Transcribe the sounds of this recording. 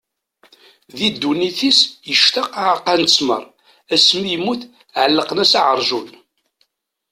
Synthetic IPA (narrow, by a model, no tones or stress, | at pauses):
ðid̪ːuniθisjəʃt̪ɑqaʕqːænt͡sːmə̰ɾˤ | æsmijmuθ | ʕəlːəqnæsaʕəɾˤʒun